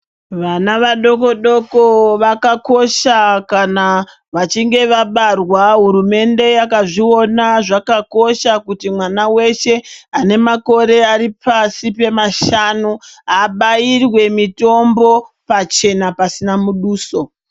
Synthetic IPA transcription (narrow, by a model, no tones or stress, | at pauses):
ʋanaʋaɗo̞ko̞ɗo̞ko̞ʋakako̞ʃakana | ʋat͡ʃiŋɡe̞ʋaɓarwaɦuɾume̞nde̞jakaʐio̞naʐakako̞ʃakutimwanawe̞ʃe̞ane̞mako̞ɾe̞aɾipasipe̞maʃanuɦaːɓajirwe̞mito̞mbo̞ | pat͡ʃe̞napasinamuɗuːso̞